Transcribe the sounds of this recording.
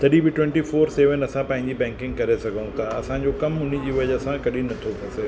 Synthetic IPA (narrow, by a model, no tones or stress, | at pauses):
t̪ʰɐɗĩbɪʈwɛ̃ɳʈifoːɾseːʋənɐsãpɐ̃ɦɪ̃ɲ̆d͡ʑibɛ̃ːŋkɪ̃ŋɡkɐɾesɐɡʱəũt̪ʰaɐ̰sãd͡ʑokɐmʊn̤ĩd͡ʑiːʋɐʄəsãkɐɗĩnɐt̪ʰopɐseː